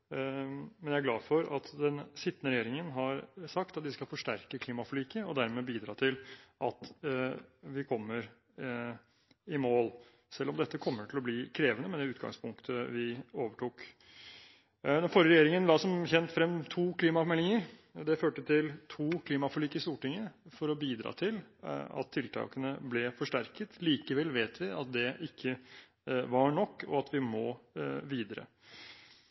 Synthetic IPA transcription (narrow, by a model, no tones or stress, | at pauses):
mɛnjææɾɡlɑ̰ːfɔɾɑ̰t̪d̪ɛnsɪt̪ːnəɾɛjeːɾɪŋənɦɑɾsɑk̚t̪ɑt̪̚d̪ɪskɑlfɔʂʈæɾkəkʰliːmɑfɔɭiːkəɔd̪æɾmɛːbiːd̪ɾɑːt̪ʰɪlʔɑt̪ | ʋɪkʰɔmːəɾ | ɪmoːl | sɛlːɔmd̪ɛt̪ːəkʰɔmːəʈʰɪlɔbliːkʰɾeːʋənəmɛd̪ɛʉːt̪ɡɑ̰ŋspʰʊŋkt̪ʰəʋɪoːʋəʈʰuːk | d̪ɛnfɔɾəɾɛjeːɾɪŋənlɑːsɔmçɛnt̪fɾɛmt̪ʰuːkʰliːmɑmɛlːɪŋəɾd̪ɛføːʈət̪ʰɪlt̪ʰuːkʰliːmɑfɔɭiːkɪst̪uːʈɪŋːəfɔɾɔbiːd̪ɾɑ̰ːt̪ʰɪlɑ̰t̪ʰːɪlt̪ʰɑ̰ːkənəblɛfɔʂʈæɾkət̪liːkəʋɛlʋeːt̪ʋɪɑt̪̚d̪ɛʔɪkʰːə | ʋɑɳɔkːɔ̰ɑt̪ʋɪmɔʋiːd̪əɾə̰